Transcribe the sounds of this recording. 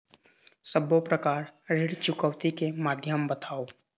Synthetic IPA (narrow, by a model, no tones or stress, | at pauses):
səbopɾəkaːɾɾɪɽt͡ʃʊkəʋt̪ikemaːd̪ʱjəmbət̪ʰaːoː